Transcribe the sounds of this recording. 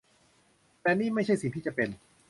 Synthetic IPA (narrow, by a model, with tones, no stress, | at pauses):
t̪ɛː˧niː˥˩ma˥˩jt͡ɕʰa˥˩jsi˨˩ŋt̪ʰiː˥˩t͡ɕa˨˩pe˧n